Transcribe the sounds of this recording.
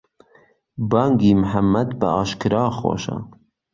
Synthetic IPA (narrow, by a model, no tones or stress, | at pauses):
bɑŋɡiːmħamːæd̪bəɑːʃkɨɾɑːxwo̰ʃɑ̰